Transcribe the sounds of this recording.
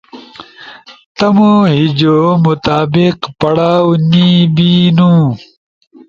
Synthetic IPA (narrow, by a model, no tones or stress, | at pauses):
t̪ɐmõːɦid͡ʑoːmut̪aːbiqpɐɽaːwnibiːnũː